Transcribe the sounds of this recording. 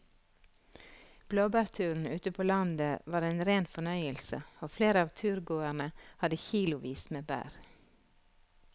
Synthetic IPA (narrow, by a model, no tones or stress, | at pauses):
b̥loːbæːɾt̪ʰʉːɾn̩ʉːt̪əpʰoːlɑnd̪əʋɑːɾeːnɾeːnfɔɳœʏəlsə̰oːfleːɾəɑːʋt̪ʰʉːɾɡoːæɳəhɑd̪əçiːlʊʋiːsmeːbæ̰ːɾ